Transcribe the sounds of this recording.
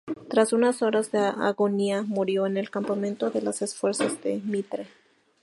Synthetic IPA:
t̪ɾasunaso̞ɾazðeaʔa̰ɣo̞niamuɾjo̞ene̞lkampamẽ̞nt̪o̞ðe̞lase̞sfwe̞ɾsazðe̞mit̪ɾe

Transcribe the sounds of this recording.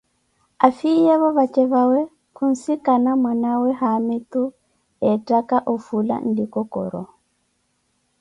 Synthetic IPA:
afijɛβɔβat͡ʃɛβawɛ | kun̩sikanamwanawɛhamit̪u | ɛtakaʔɔfula̰ndikɔkɔ̰ɾɔ̰

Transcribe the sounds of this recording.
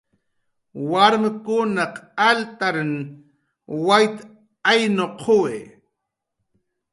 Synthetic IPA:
waɾmɪkʊnaqalt̪aɾn | wajt̪ | ajnoqʰowe

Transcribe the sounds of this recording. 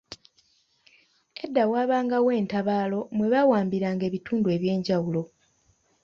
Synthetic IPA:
e̞dːawaːβaːŋɡawe̞ːntaβaːlo̞mwe̞βawaːmbiɾaːŋɡe̞ːβituːndue̞ːβje̞ːɲɟawulo̞

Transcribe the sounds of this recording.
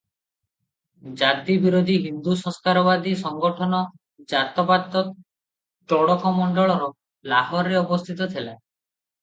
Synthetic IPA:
d͡ʒat̪ibiɾod̪ʱiɦind̪usɔ̃skaɾɔbad̪isɔŋɡɔʈʰɔnɔ | d͡ʒat̪ɔpat̪ːɔ | ʈɔɽɔkɔmɔɳɖɔɭɔɾɔ | laɦɔɾɾeɔbɔst̪ʰit̪ɔt̪ʰela

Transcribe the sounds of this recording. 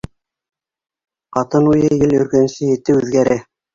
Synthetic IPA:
qɑt̪ɤnujɤjɘlɵ̆ɾkɵ̆nsɘjɘ̆t̪ːɘʉðɡæɾæ

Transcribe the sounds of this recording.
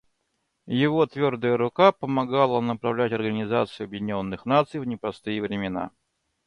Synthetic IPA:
jɪvo̞t̪vʲo̞rd̪əjəɾʊkapəmɐɡalˠənəpɾɐvlʲætʲɐrɡənʲɪzat̪sɨjʊɐbjɪdʲɪnʲo̞nːɨxnat̪sɨjvnʲɪpɾɐst̪ɨjəvɾʲɪmʲɪna̰

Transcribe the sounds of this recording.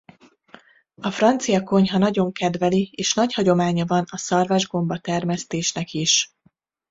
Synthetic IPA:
ɒfrɒnt̪sijɒko̞ɲɦɒnɒɟo̞ŋkɛd̪vɛlieːʃnɒchɒɟo̞maːɲɒvɒnɒsɒrvaʒɡo̞mbɒt̪ɛrmɛst̪eːʃnɛkiʃ

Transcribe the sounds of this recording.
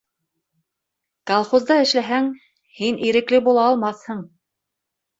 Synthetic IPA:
kɐlˠχozd̪ɑɘ̆ʃlæɦæŋ | hinʔiɾɘ̆klɘbulˠɑːlˠmɑθhɤɴ

